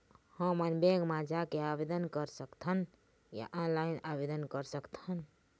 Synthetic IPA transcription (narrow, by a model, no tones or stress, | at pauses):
hə̃mənbeɡmad͡ʒakeabed̪ənkəɾsəkt̪ʰən | ja̰ʔɔ̃nlajnabed̪ənkəɾsəkt̪ʰən